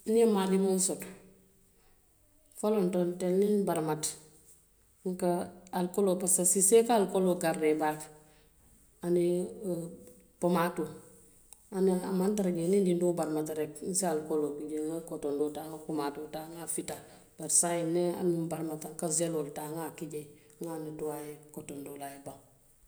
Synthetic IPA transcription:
niamadimonsot | folontontelninbaɾmat | ŋkaalkolopasasisekaalkoloɡarːebak | ani | pomato | aniamantaɾaɟenindindubaɾmatɾeknsialkolokiɟeŋakotondoːtaŋakomaːtotaŋafita | b̥aɾsainnea̰nibaɾmataŋkazeloltaŋakiɟe | ŋanituwajekotondolajeba

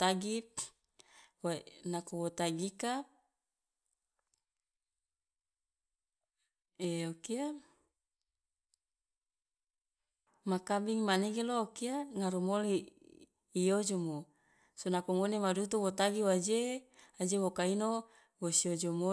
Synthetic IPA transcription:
t̪aɡi | wanakowot̪aɡika | eokia | makabiŋmaneɡelookiaŋaɾumoliː | jod͡ʒomo | sonakoŋonemadut̪uwot̪aɡiwad͡ʒead͡ʒewokaino | wosiod͡ʒomo

